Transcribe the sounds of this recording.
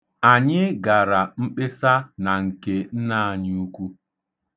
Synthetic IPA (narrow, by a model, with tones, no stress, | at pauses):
a˨ɲɪ˦ɡa˨ɾa˨m̩˦k͡pe˦sa˦na˨ŋ̩˨ke˦n̩˦na˦˨a˨ɲ˦u˦kʷu˦